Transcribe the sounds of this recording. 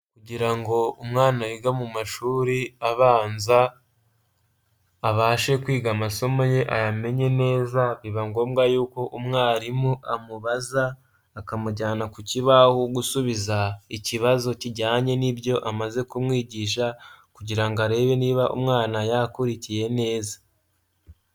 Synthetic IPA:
kuɟiɾaŋɡo̞umŋaːnaɾiɡamumaʃuːɾiaβaːnza | βaːʃe̞kwiːɡamaso̞mo̞je̞ʔajame̞ɲe̞ne̞ːzaβiβaŋɡo̞ːmɡajuːko̞ʔumŋaːɾimuʔamuβazaː | kamuɾɟaːnakuciβahoɡusuβizaiciβazo̞ciɟaːɲe̞nibɟo̞ʔamaze̞kumŋiːɟiʃ̬akuɟiɾaŋɡaɾe̞ːβe̞niːβaʔṵmŋaːnajakuɾicije̞ne̞ːza

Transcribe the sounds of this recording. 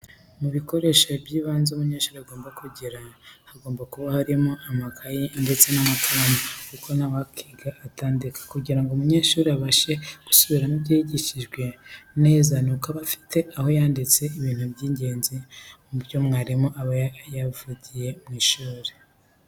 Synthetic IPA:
muβiko̞ɾe̞ʃabjiːβaːnzeumuɲe̞ːʃuːɾeaɡo̞ːmbakuɟiɾahaɡo̞ːmbakuβahaɾimo̞ʔamakʰajende̞t͡se̞namakʰaɾamakukʰo̞nawakʰiːɡaʔːtaːndikḁkuɟiɾaŋɡomuɲe̞ːʃuːɾeaβaʃe̞ɡ̥u̥suβiɾanibjiːiɟiʃiʒɡwe̞neezanukaβafi̥tʰe̞ʔaho̞jaːndit͡se̞iβiːnhubɟiːɲɟe̞ːnzimuɾjo̞mŋaːɾimo̞ʔaβajavuɟije̞mŋiːʃuːɾe

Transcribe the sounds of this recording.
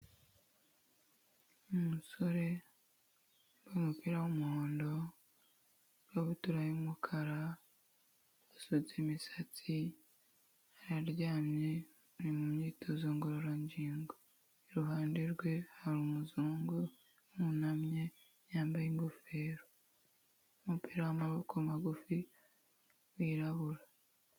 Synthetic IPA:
umuso̞ɾe̞ | bomupiɾawumuhoːndo̞ | ɾaβutuɾajimukʰaɾa | asozemisat͡si | haɾaɾɟaːmɲe | nimumɲiːtʰozuːŋɡoɾoɾaɲɟiːŋɡo | iɾuɦaːndeɾɡwe̞haɾumuzuːŋɡu | munamɲe̞ | jaːmbajiŋɡofe̞ːɾo | umupiːɾawamaβokʰomaɡufi | wiːɾaβuɾa

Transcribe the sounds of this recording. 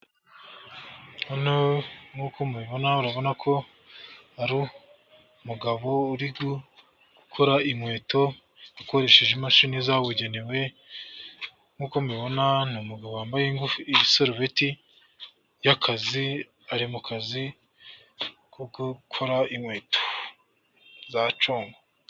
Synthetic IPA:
onoŋhukʰomwiβo̞nauɾaβo̞nakʰo̞ | aɾu | muɡaβo̞uɾiɡu | ɡ̥ukʰoɾaimwe̞ːto̞ | ako̞ɾe̞ʃe̞ʒemaʃinizawuɟe̞newe̞ | ŋ̥huːkomwiβo̞nanumuɡaβowaːmbajeŋɡufusoɾveti | jakʰazi | aɾimukazi | kʰoɡukʰoɾaimwe̞ːto | zat͡ʃoːŋɡo

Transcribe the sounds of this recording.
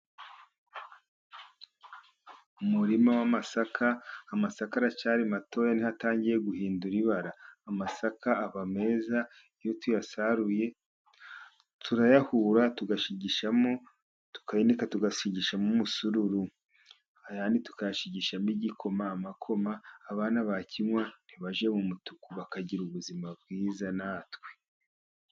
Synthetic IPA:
umuɾimawamasakʰaːmasakaɾat͡ʃaɾimato̞ːjanihataːɲɟiɾe̞ɡuhiːnduɾiβaɾaːmasakaːβame̞ːza | ijotujasaɾuje̞ | tʰuɾajahuɾatuɡaʃiɟiʃamo | tu̥kainikatuɡaʃiɟiʃamumusuɾuɾu | ajanitu̥kajaʃiɟiʃamiɟikʰo̞maːmakʰo̞maːβaːnaβacʰiɲwan̥iβaʒe̞mumutukuβakaɟiɾuβuzimab̚ɡiːzanatwe̥

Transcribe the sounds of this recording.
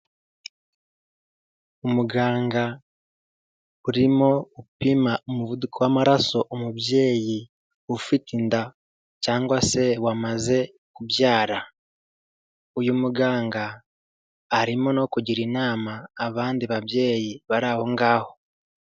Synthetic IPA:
uomuɡaːŋɡa | uɾimo̞upimaomuvudukowamaɾaso̞ʔomuβje̞ːji | ufitinda | caːŋɡwase̞wamaze̞ | kuβjaːɾa | ujumuɡaːŋɡaː | ɾimo̞no̞kuɟiɾinaːmaːβaːndiβaβje̞ːjiβaɾaːho̞ŋɡaːho̞

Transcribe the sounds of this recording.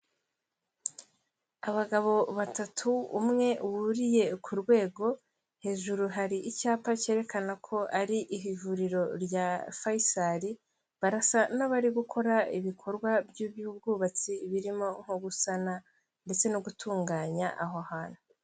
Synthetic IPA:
aβaɡaβo̞βatatʰuːmŋe̞wuɾije̞kʰuɾɡwe̞ːɡo̞ | he̞ːʒuɾuɦaɾiʔicaːpace̞ːɾe̞kanakʰo̞ʔaɾiʔiɦivuɾiɾo̞ɾjafaisaɾi | βaɾasanaβaɾiɡukʰo̞ɾaiβikʰo̞ɾɡwabjuβjubɡuːβat͡siːβiɾimo̞ŋ̥hoɡusana | nde̞t͡se̞nuɡutuːŋɡaːɲaʔaɦohaːnu

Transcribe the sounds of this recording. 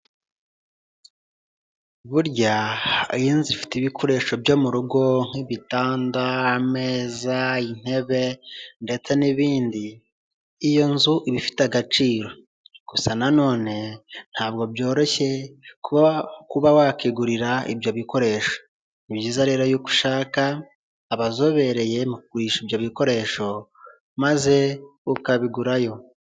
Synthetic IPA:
βuɾɟajiːnzifi̥tiβikʰo̞ɾe̞ːʃobɟo̞muɾuɡo̞ŋ̥iβitaːndaːme̞ːzain̥he̞βe̞nde̞t͡se̞niβiːndiː | jo̞nzuʔiβifi̥taɡat͡ʃiːɾo̞ | kusanano̞ːne̞n̥haːb̚ɡo̞bjo̞ːɾe̞çe̞kukuβawakiɡuɾiɾaḭbjoβiko̞ɾe̞ʃo̥ | ibɟiːzaɾeɾajuku̥ʃaːkaː | βazo̞βe̞ɾe̞je̞mukkuɾiːʃibjoβiko̞ɾe̞ʃo̞ | maze̞ukaβiɡuɾajo̞

